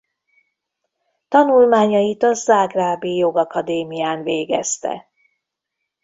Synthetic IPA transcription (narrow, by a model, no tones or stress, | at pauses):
t̪ɒnulmaːɲɒjit̪ɒzaːɡraːbijoɡɒkɒd̪eːmijaːnveːɡɛst̪ɛ̰